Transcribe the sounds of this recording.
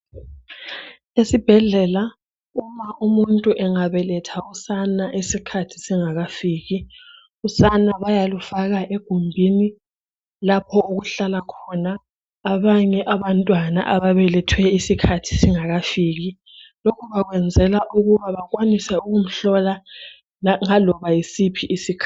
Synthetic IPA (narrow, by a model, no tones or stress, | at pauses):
esib̥ʱɛɮɛla | umaʔumuntʼuʔɛŋaβɛlɛtʰausanaʔesikʰatʰi̥siŋaɣafiːɣi | usanaβajalufaɣaʔeɡ̥ʱumbʱini | lapʰɔoɣuɬalakʰɔnaː | βaɲɛʔaβantʼwana̰ʔaβaβɛlɛtʰwɛisikʰatʰi̥siŋaɣafiːɣi | lokʰuβaɣwɛnd͡zʱɛlaʔuɣuβaβakʼwanisɛuɣum̩ɬɔla | ŋalɔβajisipʰiʔisikʰa